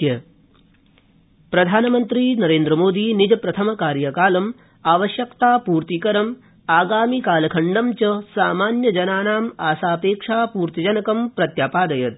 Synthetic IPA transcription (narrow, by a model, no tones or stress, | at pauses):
jɐ | pɾɐd̪ʱaːnɐmɐnt̪ɾiːnɐɾeːnd̪ɾɐmoːd̪iːnid͡ʒɐpɾɐt̪ʰɐmɐkaːɾjɐkaːlɐm | aːʋɐʃjɐkt̪aːpuːɾt̪ikɐɾɐm | aːɡaːmikaːlɐkʰɐɳɖɐmt͡ʃɐsaːmaːnjɐd͡ʒɐnaːnaːmaːsaːpeːkʂaːpuːɾt̪id͡ʒɐnɐkɐmpɾɐt̪jaːpaːd̪ɐjɐt̪̚